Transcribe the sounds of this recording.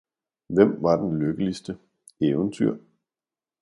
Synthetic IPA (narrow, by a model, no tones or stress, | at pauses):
ʋem̰ʋɑ̈d̥enløɡ̥əlisd̥ə | eːʊənt͡sʰyɐ̰